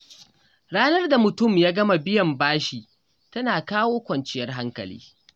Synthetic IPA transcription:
ɽaː˦nɐ˦rda˨mʊ˨tʊ˦˨mjaː˦ɡɐ˦ma˨bɪ˦jɐ˨mbaː˦ʃi˨ | tɐ˦naː˨kaː˦woː˦kʷɐ˨nt͡ʃɪ˦jɐ˦rɦa˦ŋkɐ̰˨lḭː˦

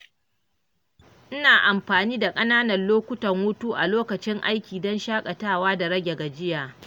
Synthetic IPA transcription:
ʔɪ˦naː˨ʔa˨mɸaː˨niː˦da˨kʼɐ˦naː˦nɐ˨nloː˦kʷʊ˦tɐ˨ŋwʊ˦tuː˦ʔa̰˨loː˦kɐ˨t͡ʃɪ˦ŋʔa̰˦jkʲiː˨dɔ˦nʃaː˦kʼa˨taː˦˨waː˦da˨ɽɐ˦ɡʲe˨ɡa˨d͡ʒɪ˦jaː˨

